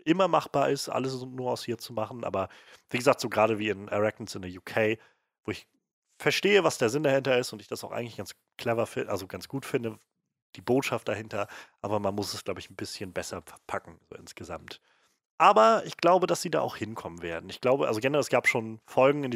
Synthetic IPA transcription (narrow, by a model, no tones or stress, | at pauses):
ʔɪmɐmaχb̥aːɐʔɪstʔa̰ləsnuːɐaʊshiːɐt͡sumaχn̩ʔa̰ːbɐv̥iːɡəzaːk̚tz̥oːɡʁaːɾəviːɪnʔɛʁɛk̚tn̩sɪndɛjuːkʰeɪ | voːɪç | fɛɐʃteːəvasd̥eːɐzɪndahɪntɐɪstʊntɪçd̥asaʊxʔa̰ɪɡŋ̩lɪçɡ̥ans | kʰl̥ɛvɐfɪʔa̰lzoɡansɡ̥uːtfɪndə | d̥iːboːtʃaft̚d̥ahɪntɐʔaːbɐmanmʊsɛsɡ̥laʊbəɪçn̩bɪsçənbɛsɐfɛɐpʰakŋ̩zo̰ːʔɪ̰nsɡ̥əza̰mt | ʔaːbɐʔɪçɡ̥laʊbədasz̥iːda̰ːʔaʊxhɪnkʰɔmənveːɐdn̩ɪçɡ̥laʊbəʔalzoɡɛnəʁɛlɛsɡ̥aːpʃoːnfɔlɡŋ̩ɪn